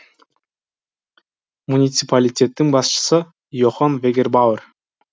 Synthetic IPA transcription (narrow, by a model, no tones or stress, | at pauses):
munʲit̪sɨpalʲitʲe̞t̪ːɪŋbɑsʃə̥sə | joχɑnvʲeɡʲerbawər